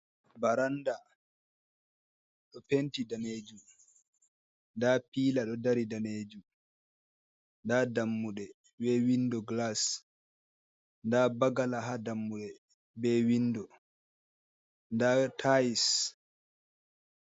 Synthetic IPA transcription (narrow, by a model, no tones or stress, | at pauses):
baɾanda | ɗɔpentidaned͡ʒu | ndapiːlaɗɔdaɾidaned͡ʒu | ndadamːuɗɛ | bɛwindɔɡlas | ndabaɡalaɦadamːuɗɛ | bɛːwinːdɔ | ndatʰais